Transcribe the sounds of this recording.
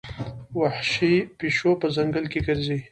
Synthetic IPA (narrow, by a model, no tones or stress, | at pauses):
waħʃipiʃopəzaŋɡəlkeɡəɾzi